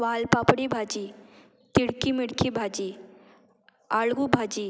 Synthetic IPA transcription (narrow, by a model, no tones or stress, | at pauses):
ʋaːlpapɽibʱad͡ʒiː | t̪iɽkimɪɽkʰibʱad͡ʒi | aɭɡubʱad͡ʒiː